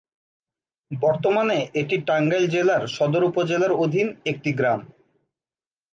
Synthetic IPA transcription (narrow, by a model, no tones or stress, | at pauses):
bɔɾt̪omaneʔeʈiʈaŋɡajd͡ʑelaɾʃɔd̪oɾupod͡ʑelaɾod̪ʱinek̚ʈiɡɾam